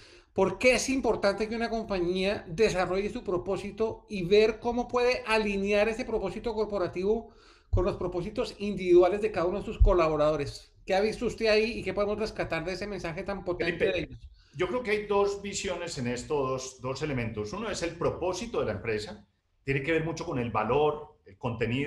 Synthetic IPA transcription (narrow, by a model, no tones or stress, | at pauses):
po̞ɾke̞esimpo̞ɾt̪ant̪e̞keunako̞mpaɲiaðe̞s̬aro̞ʝesupɾo̞po̞sit̪o̞iβe̞ɾko̞mo̞pwe̞ð̞e̞ʔalinjaɾe̞se̞pɾopo̞sit̪o̞ko̞ɾpoɾat̪iβo̞ | ko̞nlo̞spɾo̞po̞s̬it̪o̞sind̪iβiðwale̞zðekaðaunoesusko̞laβo̞ɾað̞o̞ɾe̞s | ke̞aβist̪oust̪e̞aiːke̞po̞ð̞emo̞zre̞skat̪aɾðeese̞mẽ̞nsaxe̞t̪ampot̪eteðeeʎos | d͡ʒo̞kɾe̞okeajd̪o̞zbisjo̞ne̞se̞ne̞st̪oðosd̪o̞se̞lemẽnt̪o̞suno̞ese̞lpɾo̞po̞sit̪oðelaempɾe̞sa | t̪je̞neke̞βe̞ɾmut͡ʃo̞ko̞ne̞lbaloɾelko̞nt̪e̞ni